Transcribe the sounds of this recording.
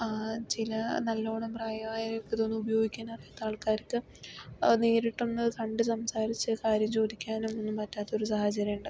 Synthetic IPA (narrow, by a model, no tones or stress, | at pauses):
at͡ɕilɐnɐlːoːɳɐmpraːjɐmaːjɐɾokːet̪o̞ːnːɨubɐjo̞ːɡikʲːaːnɐrijaːt̪ːaːɭkaːɾkːɨ | neːɾiʈːunːɐðɨkɐɳɖɨsɐmsaːɾit͡ɕːɨkaːɾjɐmt͡ɕo̞ːd̪ikʲːaːnumonːɨmpɐtːaːt̪ːɐoɾusɐhɐt͡ɕɐɾjɐmuɳɖɨ